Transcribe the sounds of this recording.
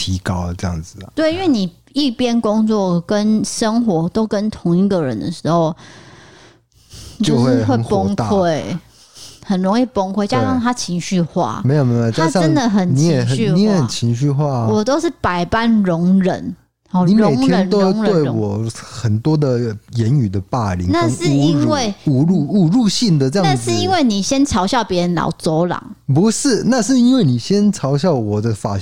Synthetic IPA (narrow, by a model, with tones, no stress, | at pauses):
t̪ʰi˨˥kɑ˥ʊ˨ʈ͡ʂɤ˥˧jɑ̰˥˩ŋd͡zɹ̩˨t̪we˥˩ɪi˦nwe˥˩ni˨˩ | i˥˩pjɛ˥nkʊ˥ŋt͡swɔ˥˩kə˦˥nʂə˥ŋxwɔ˧˥t̪o˥ʊkə˦nt̪ʰʊ˧˥ŋi˥˩ɡə˨ɻə̰˦nd̪ə̰˨ʂɻ̩˧˥xo˥˧ʊ | t͡ɕjo˥˧˥ʊxwe˥˩xwə˥˩˦npɔ˥˦ŋt̪a˥˨we˥˩ɪ | xə˨˩nɻʊ˧˦ŋi˥˩pɔ˥ŋkʰwe˥ɪt͡ɕja˥˦ɑ˥˨˩ŋt̪ʰa˥t͡ɕʰi˧˥ŋɕy˥˧xwa̰˥˩me˧˥ɪjo˨˩me˧˥o˨˩t̪t͡ɕja˥ɑ˥ə˦˥nd̪ə˨xə˨˩nnit͡ɕjiɛ˨˥˦xə˨y˥˧i˦jɛ˨˦ə˨˩nt͡ɕʰi˧˥ŋɕy˥˧xwa˥˩wɔ˨˩t̪o˥ʊʂɻ̩˥˩pa˨˩ɪpa˥˨nɻʊ˧˦ŋɻə̰˧˦n | ɔ˨ni˨˦mɻme˨˧˨ɪ˦ŋʰɛ˦˧n˦nt̪o˦ʊ˧˦ŋwe˥˧˥ɪ˧wɔ˨˩xə˨˩nt̪wɔ˥d̪ə˨jɛ˧˦ny˨˩d̪ə˦pa˥˩lḭ˨˦ŋna˥˧˥ʂɻ̩˥˦i˦˥nwe˥˨˩ɪu˨˩ɻu˥˧u˨˩ɻu˥˧ɕi˥˩nd̪ə˨ʈ͡ʂɤ˥˧jɑ˥˧a˥˨nʂɻ̩˥˨i˦˥nwe˥˩ɪni˨˩ɕjɛ˦˥nt͡sʰɑ˧˥ʊɕjɑ˥˩ʊpjɛ˧˥ɻə˧˦nlɑ̰˨˧˥ʊt͡so˧˦ʊlɑ̰˨˩˦ŋpu˨˧˦ʂɻ̩˥˨na˥˧ʂɻ̩˥˩i˦˥nwe˥˩ɪni˨˩ɕjɛ˦˥nt͡sʰɑ˧˥ʊɕjɑ˥˩ʊwɔ˨˩d̪ə˦fa̰˨˩